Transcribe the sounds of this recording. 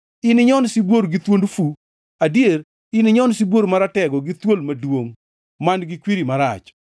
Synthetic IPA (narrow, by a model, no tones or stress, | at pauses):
ɪnɪɲɔnsibwoɾɡɪt̪wondfu | adjeɾ | ɪnɪɲɔnsibwoɾmaɾatɛɡɔɡɪt̪wolmadwoŋ | manɡɪkwiɾimaɾa̰t͡ʃ